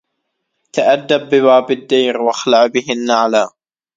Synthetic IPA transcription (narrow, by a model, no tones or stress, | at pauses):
t̪aʔad̪ːabːɪβaːbɪd̪ːajɾwaxlaʕbɪhɪnːaʕalaː